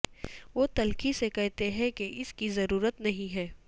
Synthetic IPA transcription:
ʋoːt̪ɐlkisekɛɦt̪eɦɛ̃keʔɪskizɐɾuːɾət̪nɐɦĩɦɛː

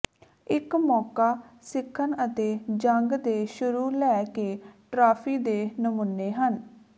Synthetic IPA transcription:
ɪkmɔːkaːsɪkʰːənət̪eːd͡ʒəŋɡd̪eːʃʊɾuːlɛːkeːʈɾaːpʰiːd̪eːnəmʊnːeːɦən

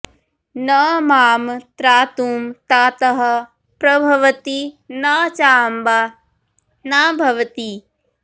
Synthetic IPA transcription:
nɐmaːmt̪ɾaːt̪uːmt̪aːt̪ɐɦɐ̆ | pɾɐbʱɐʋɐt̪inaːt͡ʃaːmba | naːbʱɐʋɐt̪i

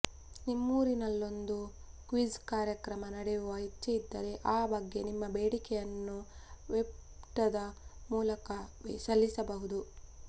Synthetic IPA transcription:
nimːuːɾinɐlːo̞nd̪u | kʋizkaːɾjɐkɾɐmɐnɐɽɛjuʋɐɦitːɐjid̪ːɐɾe̞ʔaːbɐɡːe̞nimːɐbeːɽikɛjɐnːuʋep | ʈɐd̪ɐmuːlɐkɐʋsɐlːisɐbɐɦud̪u

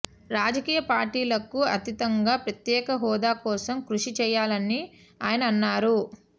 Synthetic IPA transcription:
ɾaːd͡ʒɐkiːjɐpaːɾʈiːlɐkuɐt̪it̪ɐŋɡaːpɾɐt̪jɛːkɐɦɔːd̪aːkɔːsɐmkɾuʂit͡ʃɛːjːaːlɐni | aːjɐnɐːnːaːɾu

